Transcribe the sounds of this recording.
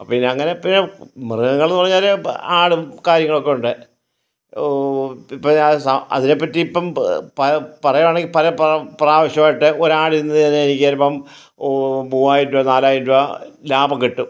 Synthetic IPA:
ɐpːinːɐŋːɐnepːinemirɨŋɐŋːɐɭenːɨpɐrɐɲːaːlaːɽɨkaːɾjɐŋːɐɭo̞kːeuɳɖɨ | ipːosɐɐ̰ðine̞pːɐtːiipːɐmpɐpɐrɐjʋaːɳeŋɡipɐlɐppraːʋɐɕjɐmaːjiʈːɨʔo̞ɾaːɽinːɨɐnːeenikʲːiaːlipːɐm | buːaːjitːuʋɐnaːlaːjitːuʋɐlaːbɐŋkiʈːu

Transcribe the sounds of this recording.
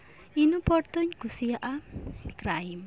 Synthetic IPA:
inupɔrt̪ʊɲɡ̥usiaʔakɾaim

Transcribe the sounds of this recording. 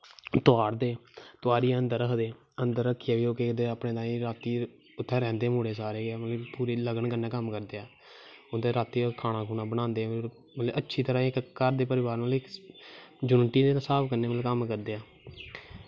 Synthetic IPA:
t̪oaːɽd̪eːt̪ʊaːɾiːənd̪əɾəkd̪eː | ənd̪əɾːəkʰːiaːʋiːoːkeːd̪eaːpɳeːt̪ãːĩːɾaːt̪iː | ʊt̪ʰːɛ̃ːɾɛ̃ːnd̪eːmʊːɽeːsaːɾeːɡɛːmət̪ləpuːɾeːləɡəɳkənːãːkəmkəɾd̪eːaː | od̪eːɾaːt̪iːkʰaːɽ̃ãːkʰuːnãːbəñãːnd̪eːaː | mət̪ləʔətːʃʰiːt̪əɾãːkkəɾd̪eːpəɾɪʋaːɾət̪lɪ | d͡ʒʊnʈiːd̪eːsaːpkəɾneːmət̪ləkəmkəɾd̪eːaː

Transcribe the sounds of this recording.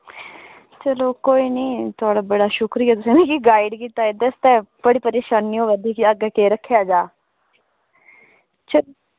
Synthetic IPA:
t͡ʃəloːkoːiːniːt̪ʊaːɽaːbəɽaːʃʊkɾijaːt̪ʊsẽːnĩːkiɡaːɪɖkiːt̪aːed̪əst̪ɛ̃ːbəɽiːpəɾeːʃaːniːɦoːʋəd̪iːkiəɡaːkeːɾəkʰːjaːd͡ʒaː | t͡ʃəlo

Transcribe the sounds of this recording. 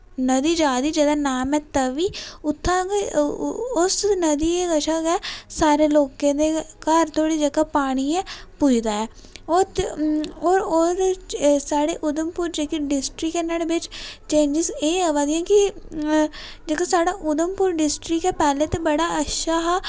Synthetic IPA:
nəd̪iːd͡ʒaːd̪iːd͡ʒəːd̪aːnaːmɛːt̪əʋiːʊt̪ʰːãːk | ʊsnəd̪iːeɡəʃaːkɛːsaːɾeːloːkẽːd̪eːkəɾt̪ʰoːɽiːd͡ʒəkaːpaːɽ̃iːɛ̃ːpʊd͡ʒd̪aːɛː | o | oːɾod̪esaːɽeːʔʊd̪əmpʊːɾd͡ʒeːkeɖɪsʈɾɪkɛːnaɽebɪt͡ʃt͡ʃẽːnd͡ʒɪzeːaʋaːd̪ijãːkɪ | d͡ʒeːkaːsaːɽaːʔʊd̪əmpʊːɾɖɪsʈɾɪkɛːpɛːleːt̪eːbəɽaːəʃaːɦaː

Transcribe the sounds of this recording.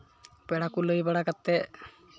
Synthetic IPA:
pɛɽakuləjbaɽakat̪ːɛ

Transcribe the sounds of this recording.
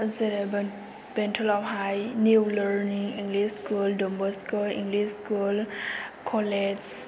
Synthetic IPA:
zeɾ | b̥ɛntʰɔlɔpɦajniwləɾniŋiŋɡlisskuldɔmbəskulḭŋɡlisskulkʰɔled͡ʒ

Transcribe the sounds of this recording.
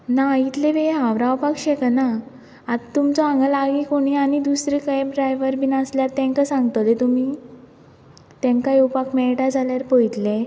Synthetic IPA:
nait̪leʋeɦãʋɾawpakɕeknaː | d̪t̪umt͡sɔãŋɡəlaɡikoɽ̃iañid̪usɾikajɖɾajʋəɾbinəsljaɾt̪ɛ̃ŋkasãŋɡt̪əlet̪umi | t̪ẽŋkajopakmɛɭʈad͡zʱaljaɾpəjt̪le

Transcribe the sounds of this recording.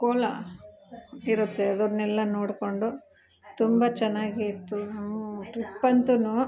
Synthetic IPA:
koːlɐ̰ | iɾut̪ːeɐd̪ɔɾnɛlːɐnoːɽko̞ɳɖu | t̪umbɐt͡ʃɛnːaːɡit̪ːuʈɾipːɐnt̪unu

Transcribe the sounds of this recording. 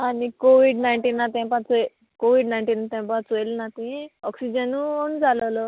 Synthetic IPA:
anikoːʋiɖnajɳʈinat̪empat͡s | koːʋiɖnajɳʈinat̪ẽmpat͡sojlnat̪iɔːksid͡ʒɐnuond͡ʒalolo

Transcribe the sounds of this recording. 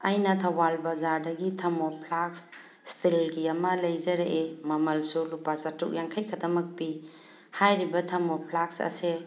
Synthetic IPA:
ajnɐtʰɐwalbazaɾdɐɡitʰɐmopʰlaks | stʰilɡiɐmɐlɐjzɐɾeʔemɐmɐlsulupasatːuk̚jaŋkʰajkʰɐdɐmɐk̚pi | hajɾibɐtʰɐmopʰlak̚sɐ̰se

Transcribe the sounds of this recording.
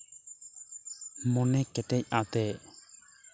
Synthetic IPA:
mɔnɛkɛtɛc̚at̪ɛʔ

